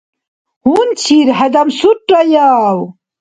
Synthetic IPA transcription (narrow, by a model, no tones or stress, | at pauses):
hunt͡ɕʰiɾɦɐd̪ɐmsuʈːɐjaw